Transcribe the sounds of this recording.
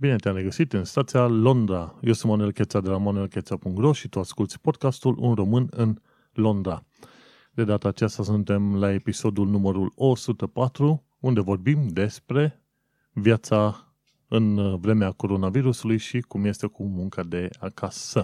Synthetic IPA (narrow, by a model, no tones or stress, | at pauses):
bine̞t̪eamɾeɡəsit̪ɨnst̪at̪sialo̞nd̪ɾajewsunt̪manuelke̞t̪sad̪e̞lamanue̞lket̪sapuŋɡɾoʃit̪uaskult̪sʲpo̞d̪̚kast̪ulʔṵnro̞mɨnɨn | lo̞nd̪ɾa | d̪e̞d̪at̪əːt͡ʃast̪asunt̪e̞mlae̞piso̞d̪ulnuməɾulo̞sut̪əpat̪ɾu | und̪e̞vo̞rbimd̪e̞spɾe̞ | vjat̪sa | ɨnvɾe̞meako̞ɾo̞naviɾusulujʃikumje̞st̪e̞kumuŋkad̪e̞akʰasə